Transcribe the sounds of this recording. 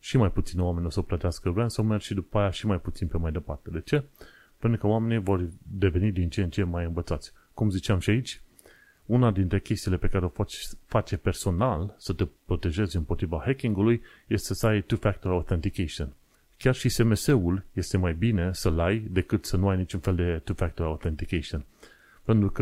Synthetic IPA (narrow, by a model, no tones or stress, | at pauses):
ʃimajput̪sinwamenʲosəoplət̪easkəvɾansəomerɡʃid̪upajaʃimajput̪sinpemajd̪e̞part̪e̞d̪e̞t͡ʃe̞ | pent̪ɾukəoame̞nivo̞rd̪e̞ve̞nid̪int͡ʃent͡ʃe̞majɨnvət̪sat̪sʲ | kumzit͡ʃeamʃiait͡ʃʲ | unad̪int̪ɾe̞kʲe̞st̪iːle̞pe̞kaɾe̞o̞t͡ʃfat͡ʃepe̞rso̞nalsət̪epɾo̞t̪e̞ʒe̞zʲɨmpo̞t̪ɾivahekʲiŋɡuluj | je̞st̪esəajt̪ufak̚t̪oɾawt̪ent̪ikʲeʃon | kʲarʃise̞me̞se̞ulje̞st̪e̞majbine̞səlajd̪e̞kɨt̪sənuajnit͡ʃunfeld̪e̞t̪ufakt̪oɾawt̪ent̪ikeʃon | pe̞nt̪ɾukə